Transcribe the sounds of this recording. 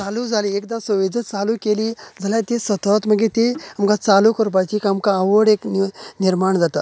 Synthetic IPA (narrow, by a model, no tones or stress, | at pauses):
t͡salud͡zʱaliek̚d̪ãsəʋid̪ʱət͡salukelid͡zʱaljat̪esət̪ət̪məɡet̪eamkãt͡salukəɾpajt͡ɕikamkaːʋəɽeknniɾmaɳd͡zat̪a